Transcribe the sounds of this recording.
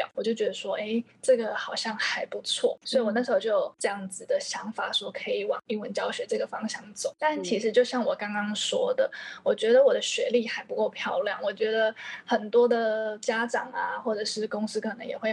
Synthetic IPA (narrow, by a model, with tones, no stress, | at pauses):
jɑ̰˨˩˦wɔ˨˩t͡ɕjo˥˩ʊt͡ɕɥɛ˧˥d̪ə˧ʂwɔ˥ʔe˥ɪʈ͡ʂɤ˥˩ɡə˩xɑ˨˩ʊɕjɑ˥˩ŋxa˧˥ɪpu˧˦˥t͡sʰwɔ̰˥˩swɔ˧˥i˨˩wɔ˨˩n˥˩ʂɻ̩˧˥xo˥ʊt͡ɕjo˥oʊ˨˩ʈ͡ʂɤ˥˧jɑ˥˩ŋd͡zɹ̩˨˩d̪ə˩ɕjɑ˧˥ŋfa˨˩swɔ˧˥kʰɤ˧˥i˨˩wɑ̰˨˩ŋi˥˩wə˧˦nt͡ɕjɑ˥ʊɕɥɛ˧˥ʈ͡ʂɤ˥˩ɡə˩fɑ˥ŋɕjɑ˥˩ŋt͡so̰˨˦t̪a˥˩˨nt͡ɕʰi˧˥ʂɻ̩˧˥t͡ɕjo˥˧ʊɕjɑ˥˩ŋwɔ˨˩kɑ˥ŋkɑ˥ŋʂwɔ˥d̪ə̰˨˩wɔ˨˩t͡ɕɥɛ˧˥d̪ə˨wɔ˨˩d̪ə˦ɕɥɛ˧˥li˥˩xa˧˥ɪpu˧˥ko˥˧ʊpʰjɑ˥˧ʊljɑ˥˩ŋwɔ˨˩t͡ɕɥɛ˧˥d̪ə˧xə˨˩nt̪wɔ˥d̪ə˨t͡ɕja˥ʈ͡ʂɑ˨˩ŋa˨xwɔ˥˩ʈ͡ʂə˨˩ʂɻ̩˥˩kʊ˥ŋs̩˥kʰə˨˩nɤ˧˥ŋjɛ˨˩xwe˥˩ɪ